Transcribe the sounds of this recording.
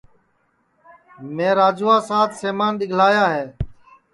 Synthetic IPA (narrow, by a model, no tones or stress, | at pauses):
mẽːɾaːd͡ʒuːaːsaːt̪seːmaːnɗɪɡʱlaːjaːɦeː